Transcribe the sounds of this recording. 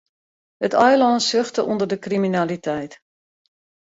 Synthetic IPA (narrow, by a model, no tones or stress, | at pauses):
hətɔjlɔntsøxtəʔundərdəkriminalitʰɛjt